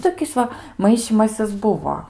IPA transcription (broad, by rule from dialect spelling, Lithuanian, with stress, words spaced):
ˈtoːkʲɪs ˈʋɐ ˈmɐɪʃʲiːmɐsʲɪs ˈbʊʋoː